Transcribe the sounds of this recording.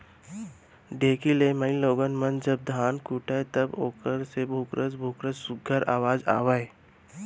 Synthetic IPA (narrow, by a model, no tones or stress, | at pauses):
ɖeːkileːməiloːɡənmənd͡ʒəb̚d̪ʱaːnkuːʈaet̪ɐboːkəɾsebʱuːkɾʔəsbʱuːkɾəssʊɡʱəɾa̰ːʋaːd͡ʒa̰ːʋae